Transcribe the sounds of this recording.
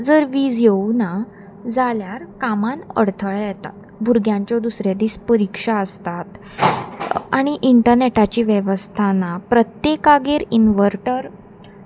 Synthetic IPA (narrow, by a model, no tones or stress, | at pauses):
d͡zəɾʋiːd͡zjeuna | d͡zaljaɾkamanə̰ɽt̪ʰəɭajet̪a̰t̪bʱuɾɡjãɲt͡ɕjɔd̪usɾjad̪iːspəɾikʂaəst̪at̪ | a̰ɽ̃iʔiɳʈəɾneʈat͡ɕiːʋjeʋəst̪ʰanapɾət̪jekaɡeɾinʋəɾʈəɾ